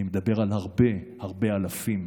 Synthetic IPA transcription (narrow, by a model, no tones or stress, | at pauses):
imed̪abe̞ʁalhaʁbehaʁbealafim